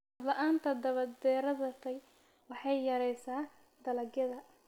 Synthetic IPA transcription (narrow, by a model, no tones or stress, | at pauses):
hɐdlɐʔaːnt̪ʰɐd̪ɐβɐd̪d̪ɛːɾɐðɐt̪ʰɐj | wɑħɑjːɐɾɛjsaː | d̪ɐlɐɡjɐðɐ